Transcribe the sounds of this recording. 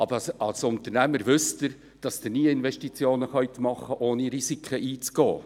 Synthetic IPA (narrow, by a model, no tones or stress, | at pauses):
ɑb̥əɑlsʊntərnæməɾʋʏstəɾ | d̥ɑsd̥̪ɪɾniːəɪnvɛʃtit͡sjoːnəχœʏt̪mɑχəʔoːniɾisikʰχəʔiːt͡sɡ̥ɔ̰ː